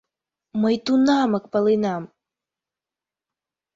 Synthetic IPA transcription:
məjt̪unɑmə̆k̚pəlinɑm

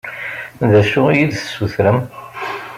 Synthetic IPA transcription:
ðæʃuijid̪θə̥sːuθɾəm

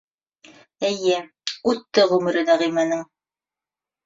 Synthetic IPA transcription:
ɘ̆jɘ | ʉt̪ːɘʁʉmɘ̆ɾɘ̆d̪æʁĭmænɘŋ

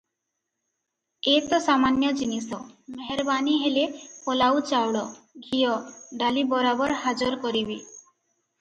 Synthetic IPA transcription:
et̪ɔsamanjɔd͡ʒinisɔmmeɦɛɾbaniɦelepɔlawt͡ʃawɽɔɡʱijɔɖalibɔɾabɔɾɦad͡ʒɔɾkɔɾibi

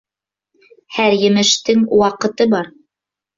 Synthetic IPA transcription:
hæɾjɘ̆mɘ̆ʃt̪ɘŋwɑqɤ̆t̪ɤbɑɾ

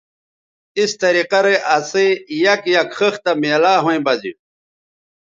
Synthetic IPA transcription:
ist̪ɐɾiqɐɾeʔasejɐkjɐkxəxt̪ɐmeːlaːɦoĩbɐdḭ

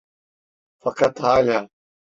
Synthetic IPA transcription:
fɐqɐt̪ɦaːlaː

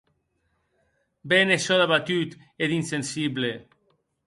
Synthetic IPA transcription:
beneʃɔðaβat̪yt̪ | ed̪insensiβle

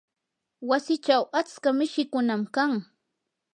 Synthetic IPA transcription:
wasɪt͡ʃawat͡skamɪʃɪkʊnamkaŋ

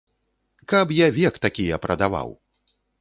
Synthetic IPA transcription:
kɐpjavʲɛkt̪akʲijɐpɾʔɐd̪ava̰w

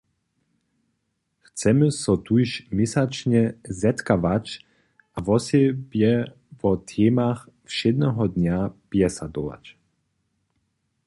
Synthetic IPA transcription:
xt͡sɛmɨsɔt̪ujʃmɛsat͡ʃɲɛzɛt̪kavat͡ɕ | ʔavɔsɛbjɛ | vɔt̪ʰɛːmax | fʃɛd̪nɛɦɔd̪ɲapjɛsad̪ɔva̰t͡ɕ

